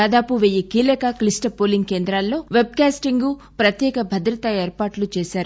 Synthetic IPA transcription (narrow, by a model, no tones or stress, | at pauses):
aːd̪aːpuʋejːikiːlɐkaklisʈɐpoːliŋɡ̚ke̞ːnd̪ɾaːlːo̞ːʋeb̚kaːsʈiŋɡu | pɾɐt̪jɛːkɐbʱɐd̪ɾɐt̪ɐeːɾpaːʈlut͡ʃeːʃaːɾu